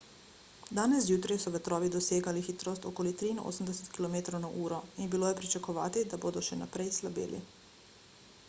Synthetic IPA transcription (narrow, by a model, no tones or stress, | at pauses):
d̪aːnɛsjuːt̪ɾajsɔʋɛt̪ɾɔːʋid̪ɔseːɡalixit̪ɾost̪ɔkoːlit̪ɾiinʔo̰ːsəm̩d̪ɛsɛ̥t̪kilɔmeːt̪ɾownaʔuːɾɔinbiloːjɛpɾit͡ʃakɔʋaːt̪id̪aboːd̪ɔʃɛna̰pɾɛjslabḛːlḭ